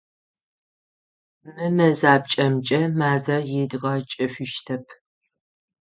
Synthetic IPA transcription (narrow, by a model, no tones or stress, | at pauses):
mɨmɐzaːb̚t͡ʃʼɐmt͡ʃʼɐmaːzɐrjɪdɨʁɐt͡ʃʼɐɕʷɪʃtʰɐpʰ